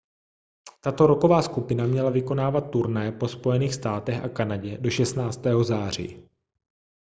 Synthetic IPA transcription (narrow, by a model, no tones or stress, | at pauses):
t̪at̪o̞ɾo̞ko̞vaːskupɪnamɲɛlavɪko̞naːvat̪̚ːuɾnajɛpo̞spo̞jɛniːxst̪aːt̪ɛxʔa̰kanaɟɛdo̞ʃɛst̪naːt͡st̪ɛːɦo̞zaːr̝ḭː